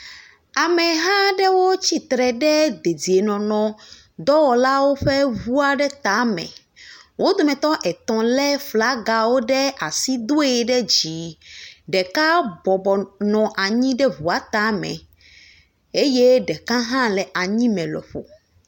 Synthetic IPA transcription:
a˨mɛ̃˨ɦã˦ɖɛ˦wo˦t͡ɕi˦t̪ɾɛ˨ɖɛ˦d̪e˨di˨e˨nɔ̃˨nɔ̃˨ | d̪ɔ˦wɔ˨la˦wo˦ɸɛ˦vu˦a˦ɖɛ˦t̪a˨˦mɛ̰̃˨ | wʔo˦d̪o˨mɛ̃˨t̪ɔ˦ʔɛ˨t̪ɔ̃˨lɛ˦fla˦ɡa˨wo˦ɖɛ˦ʔa˨si˦d̪o˦ɛ˨ɖɛ˦d͡ʑi˨ɖɛ˨ka˦bɔ˨bɔ˨nɔ̃˨ʔa˨ɲĩ˦ɖɛ˦vu˨a˨t̪a˨˦mɛ̰̃˨ | e˦je˦ɖɛ˨kã˦ɦã˦lɛ˨ʔa˨ɲĩ˦mɛ̃˨lɔ̰˨ɸo̰˨

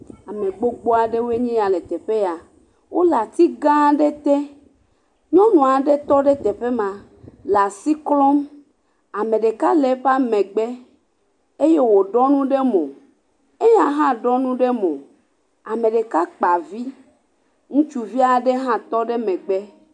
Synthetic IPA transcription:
a˨mẽ˨ɡ͡bo˦ɡ͡bo˦a˨ɖe˦wo˦e˦ɲĩ˦ja˨le˨t̪ɛ˨ɸe˦a˨ | wʔo˦la˨t̪i˦ɡã˦ɖe˦t̪e˦ | ɲɔ̃˦nũ˨a˨ɖe˦t̪ɔ˦ɖe˦t̪ɛ˨ɸe˦mã˨ | la˨si˦klɔ˦m | a˨mẽ˨ɖe˨ka˦le˨ɸa˦mẽ˨ɡ͡be˦ | e˦je˦wo˨ɖɔ˦nũ˦ɖe˦mõ˨ | e˦ja˦ɦã˦ɖɔ˦nũ˦ɖe˦mõ˨ | a˨mẽ˨ɖe˨ka˦k͡pa˨vi˦ | ŋũ˦t͡ʃu˨vi˦a˨ɖe˦ɦã˦t̪ɔ˦ɖe˦mɛ̃˨ɡ͡be˦

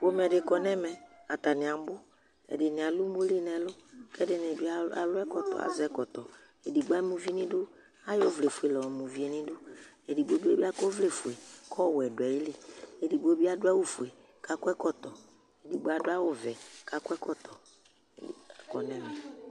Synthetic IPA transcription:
bo˦m˨ɛ˨dɪ˨kɔ˨nɛ˦mɛ˨a˨t̪a˨nɪ̃˨a˨m˦bʊ˦ | ɛ̰˨dɪ˨nɪ˨a˨lu˦mo˦li˦nɛ˨lʊ˦kɛ˦dɪ˨n˨ɛ˨bi˦a˦a̰˨lʊ˦ɛ˦kɔ˨t̪ɔ̰˨a̰˨zɛ˦kɔ˨t̪ɔ˨ | e˨di˨ɡ͡ba˦mu˨vi˦e˦nĩ˦dʊ˦ | a˦jo˦˨vle˨fu˨e˨lɔ˨mu˨vi˨˦e˨nĩ˦dʊ˦ | e˨di˨bo˦bi˦e˦bi˦a˦ko˦vle˦˨fu˨e˨kʰɔ˦˨wɛ˨dʊ˨ɛ˨jɪ˦li˨e˨di˨bo˦bi˦a˦dʊ˦a˦wu˦fu˨e˨ | ka˦kɛ˦kɔ˦t̪ɔ˨ | e˨di˨ɡ͡ba˦dʊ˦a˦wʊ˦vɛ˨ka˨˦kʊ˦ɛ˦kɔ˦t̪ɔ˨ | kɔ˨nɛ˦mɛ˨

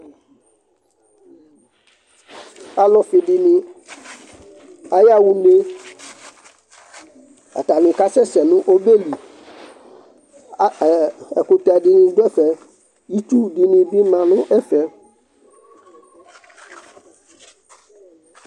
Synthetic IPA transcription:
a˨lɔ˨fi˨ɖi˨nĩ˦ | a˨ja˦wu˦ne˦ | a̰˨t̪a˨nũ˨ka˦sɛ˦sɛ˨nũ˦ʔo˦be˦li˨˦˨ | ɛ˨ku˦t̪a˨ɖi˦nĩ˦do˦ɛ˦fɛ˨ | ji˦t̪u˦ɖi˨nĩ˨bi˦mã˨nũ˦ʔɛ˦fɛ˦

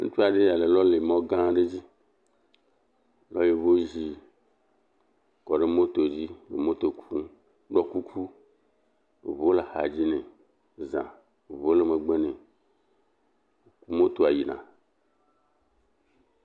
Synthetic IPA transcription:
ŋṵ˦t͡ʃu˦a˨ɖe˦a˨le˨lɔ˦le˨mɔ̃˦ɡã˦ɖe˦d͡ʑi˦ | lɔ˦je˨βo˦ʒi˦ | kɔ˨ɖe˦mo˦t̪o˨d͡ʑi˦le˨mõ˦t̪o˨kʰu˦ | ɡ͡bɔ˨ku˦kʰu˦ | e˨βo˦le˨ha̰˨d͡ʑi˦nẽ˨ | zã̰˨ | βo˦le˨me˨ɡ͡be˦nẽ˨ | ku˦mõ˦t̪o˨a˨ji˨nã̰˨

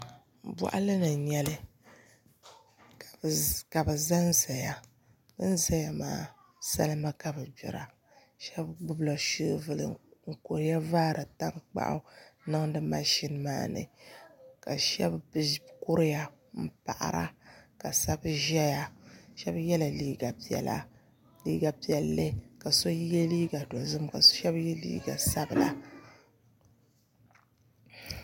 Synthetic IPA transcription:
bɔ̰˨ʔa̰˦lɨ˦nɨ˨ɲɛ˦lɨ˦˨ | ka˨bɨ˨za˦n˦za˨ja˨ | bɨ˦n˦za˦ja˨ma̰ː˨ | sa̰˦lɨ˦ma˦ka˨bɨ˨bɛ̰˨ɾa̰˨ | ʃɛ˦bɡ͡bʊ˦bla˨ʃi˦vɨ˦lɨ̰˨ŋ̩˨ko˨ɾɪ˦ja˦vaː˦ɾʔɨ˨ta˦ŋk͡pa̰˦ʔa̰˦nɨ˦ŋdɨ˦ma̰˦ʃi˦nma̰ː˦nɨ̰˨ | ka˨ʃɛ˦bbkʊ˦ɾja˨ | m̩˦pa̰˨ʔa̰˨ɾa̰˦ka˨sa˦bʒɛ˦ja˨ʃɛ˦bjɛ˦la˨liː˦ɡa˨pɛ̰˨la̰˦ | liː˦ɡa˨pi˨ɛ˨lːɨ˦ka˨so˦jjɛ˦liː˦ɡa˨dɔ˨zɨ˦mka̰˨sʃɛ˦bjɛ˦lḭː˦ɡa̰˨sa˦bɨ˨la̰˦

